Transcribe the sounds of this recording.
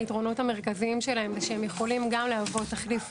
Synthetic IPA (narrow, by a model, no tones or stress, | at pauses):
itʁo̞no̞tame̞ʁ̞kaziimʃe̞laɦemveʃeemjeχo̞limɡamleavo̞taχlif